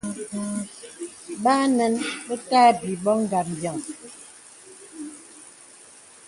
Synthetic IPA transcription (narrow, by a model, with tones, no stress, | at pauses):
baː˦nɛ˦nbə˦taː˦˨bi˨bɔ˦ŋ̩˦˨ɡa˨pm̩˨bjɔ˨ŋ